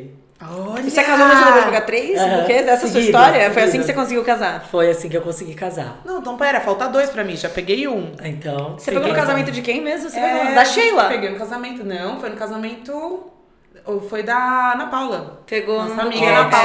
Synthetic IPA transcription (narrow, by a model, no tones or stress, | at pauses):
ɔʎsekazomũʊd̪eoɾpeɡat̪ɾejspoɾked̪ɛsɐsuɐst̪ɔɾiɐfojasĩkɪɪsekõs̬iɡiwkazaɾfojasĩkɪewkõsiɡikaza̰nɐ̃w̃t̪ɐ̃w̃pɛɾɐfawt̪ad̪ojspɾɐmĩʒapeɡejũaẽt̪ɐ̃w̃sepeɡonʊkazamẽnt̪ʊd͡ʒɪkẽj̃mezmʊseped̪aʃejlapeɡejnʊkazamẽnt̪ʊnɐ̃w̃fojnʊkazamẽnt̪ʊ | ofojd̪ɐnɐpawlɐpeɡõamiɡɡɐnapa